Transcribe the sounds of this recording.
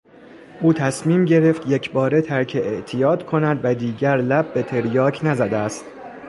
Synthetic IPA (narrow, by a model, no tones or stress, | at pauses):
ʔuːt̪ʰæsmiːmɟe̞ɾe̞ft̪jecʰbɒːɾe̞t̪ʰæɾcʰeʔeʔt̪ʰijɒːd̪̥kʰo̞næd̪væd̪iːɟæɾlæb̚ːe̞t̪ʰe̞ɾjɒːcʰnæzæd̪eæst̪